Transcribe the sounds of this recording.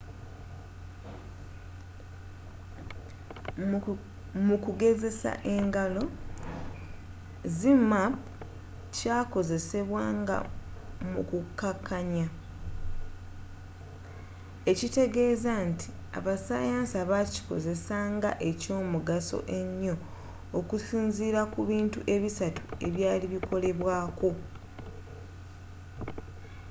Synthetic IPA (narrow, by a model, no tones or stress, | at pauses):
mukuɡe̞ze̞sa̰ʔe̞ŋɡalo̞ | zimap | caːko̞ze̞se̞βwaːŋɡa̰mukukːakːaɲa | e̞cite̞ɡe̞ːzantʰi̥ | a̰βasa̰jaːnsaβaci̥ko̞̰ze̞saːŋɡa̰ʔe̞co̞ːmuɡaso̞̰ʔe̞ɲːo̞ː | kusiːnziːɾakuβiːntuʔe̞βisatu̥e̞̰βjaːliβikʰo̞le̞βwaːko̞